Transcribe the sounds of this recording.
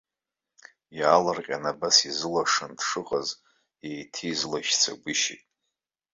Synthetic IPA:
jaːlarqʲʼanabasizɨlaʂandʂɨqʼaz | ejtʰiːzlaʃt͡sʰa̰ɡʷʊʃḭtʼ

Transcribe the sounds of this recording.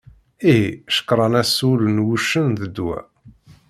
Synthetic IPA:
iɦiʃə̥kɾˤɑnæsulənwuʃənðəd̪ːwæ̰

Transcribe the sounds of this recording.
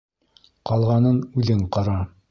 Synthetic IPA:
qɑlˠʁɑnɤnʉðɘɴqɑɾɑ

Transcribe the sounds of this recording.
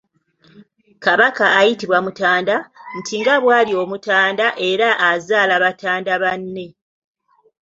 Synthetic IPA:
kaβakaːjitiβwamutaːndan̩tʰiŋɡaβwaːlio̞mutaːndaʔe̞ɾaʔːzaːlaβatʰaːndaβanːe̞

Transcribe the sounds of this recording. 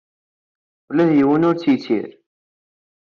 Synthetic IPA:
læðjiwənʊɾt͡sːjt͡sːḭɾ

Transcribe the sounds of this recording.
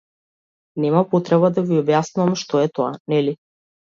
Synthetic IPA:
nɛmapɔt̪ɾɛβad̪aviɔbjasnuvamʃt̪ɔɛt̪ɔa̰nɛli

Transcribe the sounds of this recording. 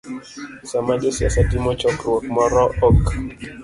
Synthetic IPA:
samad͡ʒɔsia̰satimɔt͡ʃɔkɾwɔkmɔɾɔʔɔk

